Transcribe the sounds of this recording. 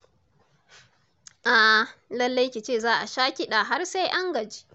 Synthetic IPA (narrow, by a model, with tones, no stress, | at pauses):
ʔa˨lɐ˦lːa˦jkʲi˨t͡ʃeː˦˨zaː˦ʔa˨ʃaː˦kʲɪ˦ɗa˨ɦa˦rsa˦jʔa˦ŋɡɐ˨d͡ʒi̥ː˦